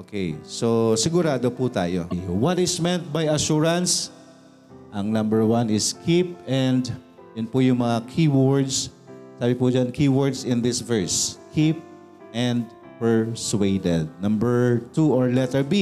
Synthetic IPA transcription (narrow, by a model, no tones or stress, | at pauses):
ʔoːkejsosɪɡʊɾaːd̪oput̪a̰ːjo̰jwɐt̪ɪsmɛnt̪̚bajɐʃuɹɐ̃ns | ʔɐŋnɐ̃mbɛɹwanɪskʰip̚ɛ̃nd̪ | jʊnpʊjʊŋmɐŋakʰiwɔɹd̪s | saːbɪpud͡ʒankiwɔɹd̪sɪ̃nd̪ɪsvɛɹskʰip̚ | ʔɛ̃nd̪̚ | pɛɹswejd̪ɛd̪̚nɐ̃mbɛɹt̪uɔɹlɛt̪ɛɹbi